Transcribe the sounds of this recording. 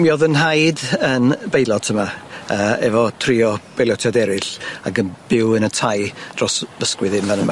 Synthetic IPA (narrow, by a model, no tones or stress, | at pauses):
mjɔðənɦajdənbejlˠɔd̥̚tʰəmaəːɛvɔtʰrɪɔb̥ejljɔtʰjadɛɾɪɬaɡənb̥ɪwənətʰajd̥rɔsvəskwɪðɪnvanəma